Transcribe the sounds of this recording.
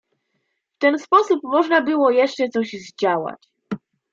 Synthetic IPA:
ft̪ɛnspɔsupmɔʐnabɘwɔjɛʂt͡ʂɛt̪sɔʑzd͡ʑawa̰t͡ɕ

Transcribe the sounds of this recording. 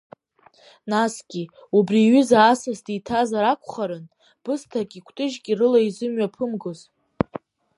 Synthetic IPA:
nasɡʲi | ubriɥʏzaːsasditʰazaɾakʷʰʼχaɾɨn | b̥ɨstʰakʲʼikʷʰtʼɨʒɡʲʼirɨlaizɨmɥapʰɨmɡoz

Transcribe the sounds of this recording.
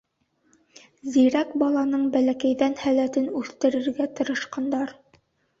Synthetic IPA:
ziɾækbɑlˠɑnɤɴbælækæjðænhælæt̪ɘnʉθt̪ɘ̆ɾɘ̆ɾɡæt̪ɤ̆ɾɤ̆ʃqɑnd̪ɑɾ

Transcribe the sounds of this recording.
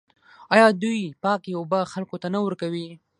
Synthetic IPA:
ɑjɑd̪ujpɑkeʊbaxalkot̪anawəɾkawi

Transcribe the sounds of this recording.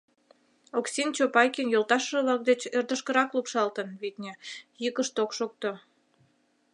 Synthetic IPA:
oksʲint͡ɕopɑjkinjolt̪ɑʃə̆βlɑk̚d̪et͡ɕerd̪əʃkə̆ɾɑklupʃɑlt̪ənβit̪̚ʲnʲejəkəʃt̪okʃok̚t̪o

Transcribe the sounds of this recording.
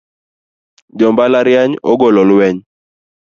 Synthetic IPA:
d͡ʒɔmbalaɾjaɲɔɡɔlɔlwɛɲ

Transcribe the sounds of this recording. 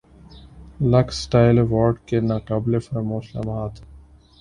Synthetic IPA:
lɐksʈaːɪleʋɔːɾɖkenaːkaːblefɐɾmoːʃla̰maːt̪ʰ

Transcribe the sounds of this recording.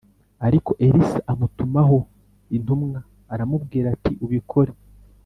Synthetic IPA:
aɾiko̞ʔe̞ɾisaamutumaɦo̞ | in̥umŋaː | ɾamubɡiːɾatiʔuβikʰo̞ɾe

